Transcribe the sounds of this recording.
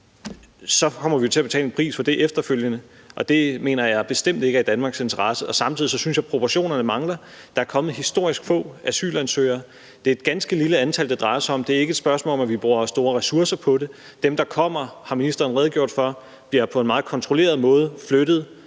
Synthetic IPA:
sɒ̽kʰɒ̽m̰ɐʋijo̝t͡sʰe̝æb̥e̝t͡sʰɛ̰ːlenpʰʁḭːsfɒd̥e̝ʔefd̥ɐføl̰jənə | ʔɒ̽d̥e̝me̝ːnɐjɑ̈b̥e̝sd̥em̰d̥e̝ɡ̥æd̥ænmɑ̈ɡ̥se̝nt͡sʰɐʁɑ̈səʔɒ̽sɑ̈mt͡sʰiðˠisɒ̽synsɕjɑ̈ɪpʰʁo̝pʰoɕo̝̰ːnɐnəmɑ̈ŋlɐ | d̥ɑ̈æɐkʰɒ̽mð̩ˠɦisd̥o̝ɐ̰isɡ̥fɔ̰̽ːæsy̰ːlænsø̰ɪ̰ɐ | d̥e̝ɐe̝d̥ɡ̥ænsɡ̥əliləænt͡sʰæl̰d̥ed̥ʁɑ̈ɪɐsɑ̈ɒ̽md̥e̝æɐe̝ɡəed̥sb̥ɶɐsmɔ̰lɒmæʋib̥ʁuːɐsd̥o̝ːɐʁɛsuɐsɐpʰɒ̽ɾe̝ | d̥emd̥ɑ̈kʰɒ̽m̰ɐhɑ̈minisd̥ɐːnʁɛðˠɡ̥jo̝ɐ̰d̥fɶ | b̥liɐpʰɒ̽e̝nmɑ̈ːð̩ˠkʰɒ̽nt͡sʰʁo̝le̝̰ːɐð̞̩ˠmɔ̽ːð̞ˠəflød̥ð̩ˠ

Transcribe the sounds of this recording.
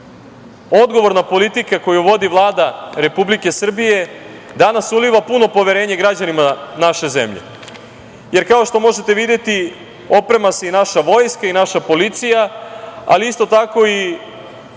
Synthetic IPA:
o̞d̪ɡo̞ʋo̞ɾnapo̞lit̪ikako̞juʋo̞d̪iʋlˠaːd̪aɾe̞publike̞sr̩bije̞ | d̪anasuliʋapuno̞po̞ʋeɾe̞ːɲeɡɾad͡ʑanimanaʃe̞ze̞̰mʎḛ | je̞ɾkao̞ʃt̪o̞mo̞ʒet̪e̞ʋid̪je̞t̪i | o̞pɾe̞mase̞inaʃaʋo̞jskainaʃapo̞lit̪sijaa̰liist̪o̞t̪ako̞i

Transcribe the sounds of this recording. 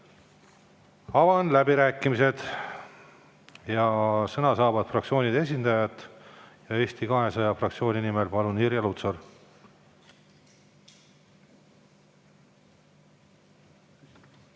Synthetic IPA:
ɑvɑnlæbiɾæːkːˑimise̞d̪̥ | jɑsɤnɑsɑːvɑd̪̥frɑkt̪sio̞ːnʲid̪̥e̞s̬ʲind̪̥ɑjɑt̪ːˑjɑe̞ːst̪ikɑɦe̞sɑjɑfrɑkt̪sio̞ːnʲinimelpɑluniɾjɑlut̪sor

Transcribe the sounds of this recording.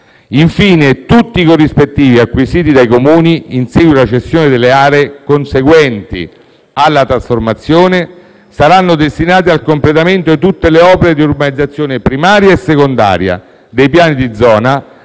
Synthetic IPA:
iɱfiːnet̪ut̪ːikorːispet̪ːiːviakːwisiːt̪̬id̪ajkomuːniinsɛɡwilat͡ʃest̪joːned̪elːeaːɾeːkonseɡwɛnt̪ḭ | alːat̪ɾasformat̪sːjoːne | saɾanːod̪est̪inaːt̪̬ialkomplet̪ament̪oit̪ut̪ːeleɔːpeɾed̪iurbanid̪zːat̪sːjoːnepɾimaːɾjaesːekond̪a̰ːɾja̰ | d̪ejpjaːnid̪id̪zɔːna

